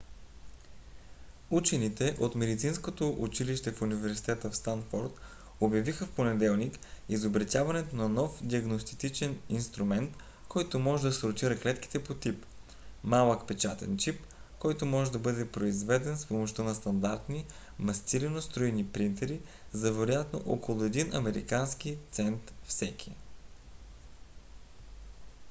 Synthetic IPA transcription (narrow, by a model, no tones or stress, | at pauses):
ut͡ʃɛnit̪ɛʔot̪mɛd̪it̪sinskot̪oʔut͡ʃiliʃt̪ɛfunivɛɾsi̥t̪ɛt̪əfst̪anfoɾt̪ | objɐvixəfponɛd̪ɛlˠnikizobɾɐt̪ʲjavɐnɛt̪onɐnɔfd̪ʲiɐɡnost̪i̥t̪it͡ʃɛninst̪ɾumɛnt̪ | kʰɔjt̪omɔʒɛd̪ɐsɾʊt̪iɾɐklɛt̪k̟i̥t̪ɛpot̪ip | malˠəkpɛt͡ʃat̪ɛ̰nt͡ʃip | kɔjt̪omɔʒɛd̪ɐbɤd̪ɛpɾoizvɛd̪ɛnspomoʃt̪ɤnɐst̪ɐnd̪aɾt̪ni | mɐst̪iɾɛnost̪ɾuinipɾint̪ɛɾizɐvɛɾojat̪no̰ʔɔkolˠʊɛd̪inɐmɛɾḭkansk̟it̪sɛnt̪fsɛk̟iɛ